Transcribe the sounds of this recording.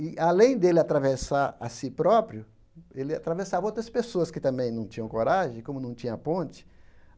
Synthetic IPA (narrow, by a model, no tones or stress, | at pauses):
ɪʔalẽj̃d̪elɪat̪ɾavesaa̰sipɾɔpɾjʊ | elɪa̰t̪ɾavesavowt̪ɾɐspesoɐskɪt̪ɐ̃mbẽj̃nɐ̃w̃t͡ʃĩɲɐ̃w̃koɾaʒẽj̃kõmʊnɐ̃w̃t͡ʃĩɲɐpõnt͡ʃɪ̥